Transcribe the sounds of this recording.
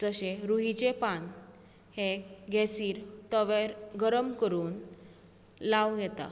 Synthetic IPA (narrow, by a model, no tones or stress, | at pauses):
d͡zəɕeɾuɦit͡ɕepan | heɡʱɛsiːɾt̪əʋeɾɡəɾəmkəɾuːn | laʋɡɛt̪a̰